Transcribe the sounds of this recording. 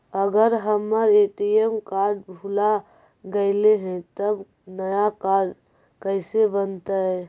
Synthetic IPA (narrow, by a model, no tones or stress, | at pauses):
əɡəɾɦəmːəɾeʈiemkaɾɖ̚bʱula | ɡəɪleɦɛ̃t̪əb | nəjakaɾɖ | kəɪsebənt̪ə